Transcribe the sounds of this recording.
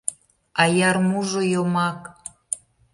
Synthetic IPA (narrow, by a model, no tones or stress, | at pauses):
ɑjɑrmuʒojomɑk